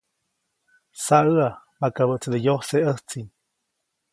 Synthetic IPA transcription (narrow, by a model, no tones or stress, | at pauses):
saəa | makaβəʔt͡səd̪əjohseəht͡sin